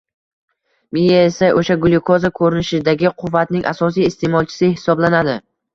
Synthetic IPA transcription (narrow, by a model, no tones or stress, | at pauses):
mijaesaʔoʃaɡʊlˠɪkʰozakʰɵɾɪnɪʃɪd̪aɡʲɪqʰʊvːat̪nɪŋʲʔa̰sɒsijɪst̪ʰemɒlˠt͡ʃʰɪ̥sɪɦɪ̥sɒblanad̪ɪ